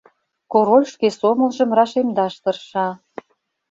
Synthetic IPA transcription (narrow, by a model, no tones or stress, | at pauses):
koɾolʲʃkesomə̆lˠʒə̆mrɑʃemd̪ɑʃt̪ɤ̆rʃɑ